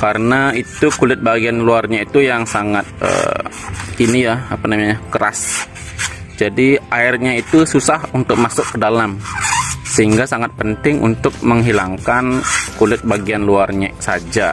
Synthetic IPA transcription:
kaɾənait̪ukulɪt̪̚baɡianluarɲait̪ujaŋsaŋat̪̚ə̰ː | inijaapanamaɲakəɾa̰s | d͡ʒadiʔaɪrɲait̪ususahunt̪ʊk̚masʊkːədalam | səɦiŋɡasaŋat̪̚pənt̪ɪŋʔṵnt̪ʊk̚məŋɦilaŋkankulɪt̪̚baɡianluarɲa̰sad͡ʒa

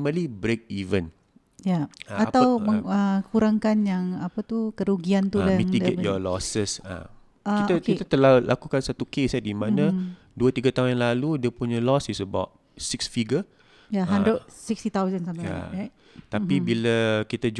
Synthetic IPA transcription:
məlibɾek̚ivən | jaat̪awməŋəkuɾaŋkanjaŋapət̪ukəɾuɡiant̪ulamiŋt̪iɡɛʔjɔlɔsəsa̰ | ait̪əkit̪ət̪əlalʔakukansat̪ukesadimãnə̃ | duət̪iɡat̪aunjanlaludiəpuɲə̃lɔsisəba̰t̪̚ | siksfiɡə | jaɦandɾəd̚sikst̪it̪awzənsamja̰aj | t̪apibiləkit̪ad͡ʒ

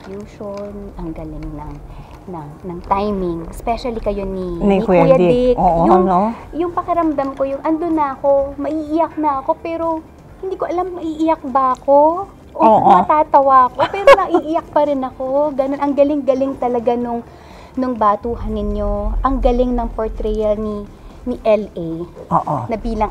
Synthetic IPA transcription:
kjuːʃonʔɐŋɡɐlɪŋnɐ̰ŋ | nɐnɐŋt̪ajmɪŋspɛʃɐlikɐjo̞ninkjɐd̪ɪkoʔjʊŋjʊŋpɐkɪɾɐmd̪ɐmko̞jʊŋʔɐnd̪onːɐʔɐko̞mɐʔiʔɪjɐk̚nɐʔɐko̞pɛːɾo̞ | hɪnd̪iːkoʔɐlamːɐʔiʔɪjɐk̚bɐʔɐko̞ | ʔommɐt̪aːt̪ɐwɐʔɐko̞pɛːɾonɐʔiʔɪjɐk̚pɐɾɪnɐko̞ɡɐno̞nʔɐŋɡɐlɪŋɡɐlɪŋt̪ɐlɐɡanʊŋ | nʊŋbaːt̪uːɦɐnɪɲjo̞ʔɐŋɡɐlɪŋnɐŋpoɹt̪ɾɛjɐlni | nɪʔɛlʔejʔo̰ːʔo̰nɐbiːlɐŋ

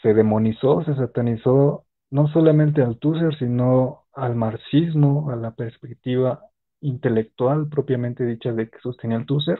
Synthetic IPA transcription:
se̞ðe̞mo̞niso̞se̞s̬at̪aniso̞ | no̞s̬o̞lamẽnt̪̬e̞alt̪us̬e̞ɾsino̞ | almaɾsizmo̞alape̞ɾspe̞k̚t̪iβa | int̪e̞le̞k̚t̪walpɾo̞pjamẽnt̪e̞ðit͡ʃaðe̞ke̥sost̪eniaelt̪us̬eɾ

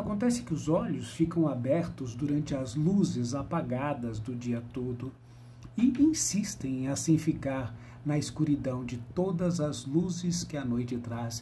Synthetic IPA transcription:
akõnt̪ɛsɪ̥kɪʊzɔʎʊsfikɐ̃w̃abɛɾt̪ʊzd̪uɾɐ̃nt͡ʃɪɐzluzɪzapaɡad̪ɐzd̪ʊd͡ʒiɐt̪od̪ʊ | ɪĩsist̪ẽj̃ẽasĩfikaɾ | nɐɪskuɾid̪ɐ̃w̃d͡ʒɪt̪od̪ɐzɐzluzɪskɪɐnojt͡ʃɪt̪ɾas

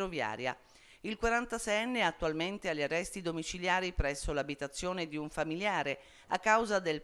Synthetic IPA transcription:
ovja̰ːɾja̰ | ilkwaɾant̪asɛjɛnːeat̪ːualment̪ealːarːɛst̪id̪omit͡ʃiljaːɾipɾɛsːolabit̪at̪sːjoːned̪iuɱfamiljaːɾe | a̰kːawzad̪el

